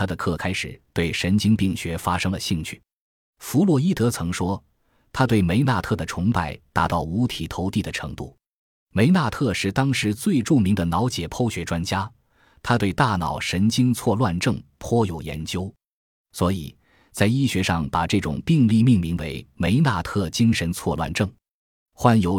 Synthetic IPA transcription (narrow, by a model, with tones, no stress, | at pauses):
t̪ʰa˥d̪ə˨kʰɤ˥˧kʰa˥ɪʂɻ̩˨˩˦t̪we˥˩ɪʂə˧˥nt͡ɕi˥ŋpi˥˩ŋɕɥɛ˧˥fa˥ʂɤ˥ŋlə˨ɕi˥˧ŋt͡ɕʰy̥˥˩ | fu˧˥lwɔ˨˩i˥˩t̪ɤ˧˥t͡sʰɤ˧˥ŋʂwɔ˥ | t̪ʰa˥t̪we˥˩ɪme˧˥ɪna˥˧t̪ʰɤ˥˩d̪ə˩ʈ͡ʂʰʊ˧˥ŋpa˥˩ɪt̪a˧˥t̪ɑ˥˩ʊu˧˥t̪ʰi˨˩t̪ʰo˧˥ʊt̪i˥˩d̪ə˩ʈ͡ʂʰɤ̰˧˥ŋt̪u˥˩ | me˧˥ɪna˥˧t̪ʰɤ˥˧ʂɻ̩˥˧t̪ɑ˥ŋʂɻ̩˧˥t͡swe˥˧ɪʈ͡ʂu˥˩mi˧˥ŋd̪ə˨nɑ˧˥ʊt͡ɕjɛ˨˩pʰo˥ʊɕɥɛ˧˥ʈ͡ʂwa˥nt͡ɕja˥ | t̪ʰa˥t̪we˥˧ɪt̪a˥˩nɑ̰˨˩ʊʂə˧˥nt͡ɕi˥ŋt͡sʰwɔ˥˧lwa˥˧nʈ͡ʂɤ˥˩ŋpʰwɔ˥jo˨˩ʊjɛ̰˧˥nt͡ɕjo˥ʊ | swɔ˧˥i˨˩ | t͡sa˥˧ɪi˥ɕɥɛ˧˥ʂɑ˥˩ŋpa˨˩ʈ͡ʂɤ˥˩ʈ͡ʂʊ̰˨˩ŋpi˥˧ŋli˥˧mi˥˩ŋmi˧˥ŋwe˧˥ɪme˧˥ɪna˥˧t̪ʰɤ˥˩t͡ɕi˥ŋʂə˧˥nt͡sʰwɔ˥˧lwa̰˥˧nʈ͡ʂɤ˥˩ŋ | xwa˥njo˧˥ʊ